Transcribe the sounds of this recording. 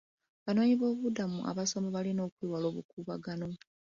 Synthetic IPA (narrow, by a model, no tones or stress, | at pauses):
βano̞ːɲiβo̞ːβudamṵʔa̰βaso̞moβalino̞ːkwiwalo̞ːβukuːβaɡano̞